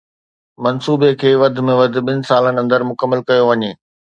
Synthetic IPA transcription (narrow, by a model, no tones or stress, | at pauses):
mɐnsuːbekʰeːʋɐd̪ʱɪ̆mẽʋɐd̪ʱɪ̆ɓɪnɪ̆saːlənɪ̆ɐ̃nd̪əɾmʊkəmːəlkɐjoʋɐɲeː